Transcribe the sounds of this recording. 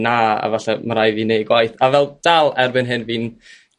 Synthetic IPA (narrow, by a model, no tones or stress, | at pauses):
naa̰vaɬɛmaɾajviːnejɡwajθavɛlˠd̥alˠɛrbɪnɦɨnviːn